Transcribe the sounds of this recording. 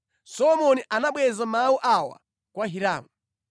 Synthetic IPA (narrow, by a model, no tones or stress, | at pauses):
sɔlɔmɔniʔanaɓwɛzamawuʔawa̰ | kwaɦiɾaːmu